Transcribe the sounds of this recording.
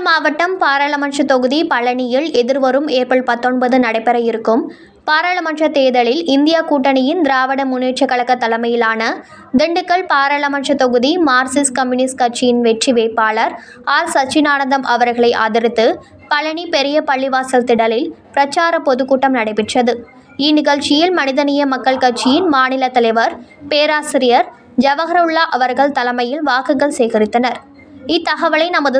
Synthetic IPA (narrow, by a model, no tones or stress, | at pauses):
ɐmaːʋɐʈːɐmpaːɾɐɭɐmɐnʂɐt̪ɔɣɯðipɐɭɐɳɪjɪɭɛðɪɾʋɐɾɯmeːɾpɐɭpɐt̪ːɔɳbɐðɯnɐɽɐɪpːɛɾɐjɪɾɯkːɯm | paːɾɐɭɐmɐnʂɐt̪eːðɐɭɪlɪnd̪ɪjaːkuːʈːɐɳɪjɪnd̪ɪɾaːʋɐɽɐmʊneːʈt͡ʃɐkːɐɭɐkːɐt̪ːɐlɐmɐjɪlaːnɐ | d̪ɛɳɖɯkːɐɭpaːɾɐɭɐmɐnʂɐt̪ɔɣɯðimaːɾsɪskɐmjunɪskɐt͡ʃːɪjɪnʋɛʈriʋeːpːaːɭɐɾ | aːɾsɐt͡ʃːɪnaːɳɐnd̪ɐmʔɐʋɐɾɣɐɭɐɪʔa̰ːðɪɾɪt̪ːɯ | pɐlɐɳipɛɾɪjɐpɐɭːɪʋaːsɐlt̪ɪɽɐlɪlpɪɾɐt͡ʃːaːɾɐpɔðɯkuːʈːɐmnɐɽɐɪpːɪʈrɐðɯ | inɪɣɐɭt͡ʃɪjɪlmɐnɪðɐnɪjɐmɐkːɐɭkɐʈ̚t͡ʃːɪjɪnmaːnɪlɐt̪ɐlɐɪʋɐɾpeːɾaːsɪɾɪjɐɾ | d͡ʒɐʋɐɣɐɾɐʊɭːaʔɐʋɐɾɣɐɭt̪ɐlɐmɐjɪlʋaːkɯɣɐɭsɛjɣɪɾɪt̪ːɐnɐɾ | ɪt̪ːɐɣɐʋɐɭɐɪnɐmɐðɯ